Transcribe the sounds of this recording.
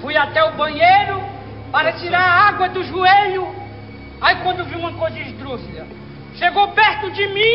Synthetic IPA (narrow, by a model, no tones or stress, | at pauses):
fujat̪ɛʊbɐ̃ɲejɾʊ | paɾɐt͡ʃiɾaɾaaɡwɐd̪ʊʒueʎʊ | aikwɐ̃nd̪ʊviũmɐkojzɐiʃd̪ɾuzid̪ɐ | ʃeɡowpɛɾt̪ʊd͡ʒɪmĩ